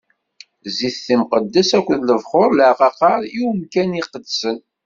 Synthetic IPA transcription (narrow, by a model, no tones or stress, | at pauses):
ziθːimqəd̪ːæsækʷːəðləvχoɾˤləʕqɑqɑɾˤiwumkæniqəd̪sən